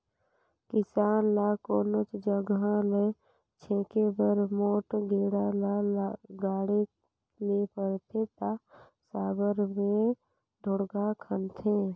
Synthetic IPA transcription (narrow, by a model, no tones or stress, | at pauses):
kɪsaːnlaːkoːnət͡ʃd͡ʒəɡãle | t͡ʃʰẽːkebəɾmoːʈɡeːɽalaɡaːɽe | lepəɾt̪ʰet̪a | saːbəɾmẽ | d̪ʱʊɽɡakʰənt̪ʰẽ